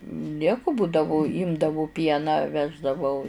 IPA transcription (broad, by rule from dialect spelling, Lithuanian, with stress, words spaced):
ˈnʲiɛkʊ ˈbuːdɐʋʊ ˈɪmdɐʋʊ ˈpʲiɛnɑː ˈʋʲæːʒdɐʋɐʊ